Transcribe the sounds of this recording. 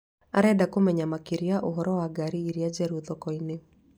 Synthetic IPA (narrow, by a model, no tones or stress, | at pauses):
a̰ɾɛdakomɛɲamakiɾiaʔoɦɔɾɔwaɡaɾiːɾiad͡ʒɛɾuðɔkɔine